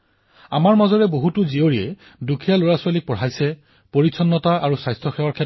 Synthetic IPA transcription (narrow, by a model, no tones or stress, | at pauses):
amaɹmɔzɔɹɛboɦutʊzioɹiɛ | dukʰijaloɹaswalik̚pɔɹajsɛ | poɹitsʰɔnːɔtaaɹusajstʰɔxɛwaɹkʰɛ